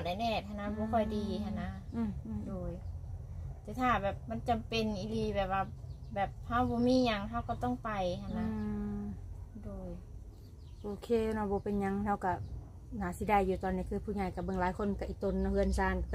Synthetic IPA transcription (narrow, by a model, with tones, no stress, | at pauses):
da˧˩˨nɛː˧˩t̪̚ha˧na˧˥bɔː˧˦kʰɔ˧˩jdiː˨hʰa˧˨nːaː˧˥˧doː˧˩j | t̪ɛː˧˦t̪ʰaː˧˩bɛː˨˩p̚ma˧˥˨nt͡ɕa˨mpe˧˨nʔi˧liː˧˩bɛː˨˩p̚waː˧bɛː˨˩p̚ha˧˥˩wbɔː˧˦miː˧˥˨ɲa˧ŋɦa˧˩˨wkɔ˧˩t̪ɔ˧˥˩ŋpa˨jhʰa˧˩˨na˧ | doː˧˨˩j | ʔoː˧kʰeː˧˨nɔ˧˩bɔː˧˦pe˨nɲa˧˥˨ŋha˧˩wka˧˩ | naː˨˦si˧˦da˧˩˨jːuː˧˩t̪ɔː˧˨nːi˧˩kʰɯː˧˩pʰuː˧˩ɲa˧˩jka˧˩bɤ˧˨ŋlaː˨˦jkʰo˧˥˨nka˧ʔiː˧˩t̪o˧˨nːɔ˧hɯ˧˨ənsaː˧˩n